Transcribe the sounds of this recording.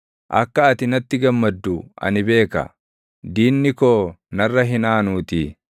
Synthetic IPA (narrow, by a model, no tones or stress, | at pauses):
ʔɐ̰kːɐːt̪ɪnɐt̪ːɪɡɐmːɐd̪ːuɐ̰nɪbe̞ːkɐ̰ | d̪iːnːɪkoːnɐrːɐɦɪnaːnuːt̪i